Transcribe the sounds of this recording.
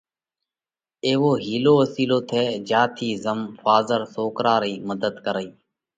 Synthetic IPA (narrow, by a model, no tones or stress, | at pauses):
eːʋoːɦiːloːəsiːloːt̪ʰeːd͡ʒaːt̪ʰiːzəmfaːzəɾsoːkɾaːɾiːməd̪əd̪kəɾəiː